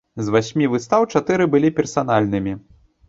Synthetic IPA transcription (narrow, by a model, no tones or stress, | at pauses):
zvasʲmʲivɨst̪awt͡ʂat̪ɨɾɨbɨlʲipʲɛrsan̪alʲnɨmʲi